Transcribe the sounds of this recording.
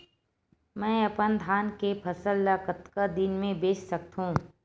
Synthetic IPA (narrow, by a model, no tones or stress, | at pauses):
mɛ̃ːɐpənd̪ʱaːnkepʰɐsəlːaːkət̪kad̪ɪnmẽbeːt͡ʃsɐk̚t̪ɦũː